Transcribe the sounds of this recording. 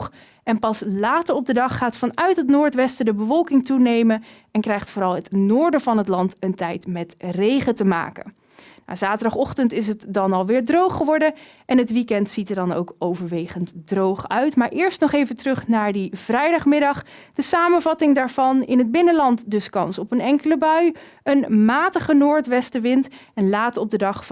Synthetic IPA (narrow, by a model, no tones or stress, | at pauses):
ɛnpɑslaːtəɹɔb̚dədɑχːaːtfɑnœɥtɦətnʊːɹtʋɛstədəbəvɔlˠkɪŋtunejmən | ɛnkrɛjχtfoːɾɑlˠɦətnʊːɹdəvɑnɦətlɑntəntɛjtmɛtrejχətəma̰ːkə̰n | na̰ːzaːtəɹdɑχɔχtəntɪs̬ɦətdɑnɑlˠʋɪːɹdrowχχəʋɔɹdə | ɛnɦətʋikɛntsitəɹdɑno̰wkowvəɹʋejχəntdrowχœɥtmaːɹʔɪːɹstnɔχejvətərɵχnaːɹdiv̥rɛjdɑχmɪdɑχd̥əsaːmənvɑtɪŋdaːɹvɑnɪnɦəd̚bɪnəlɑntdɵskɑnsɔpənɛŋkələbœɥ | ənmaːtəχənʊːɹtʋɛstəʋɪntɛnlaːtəɔb̚dədɑχ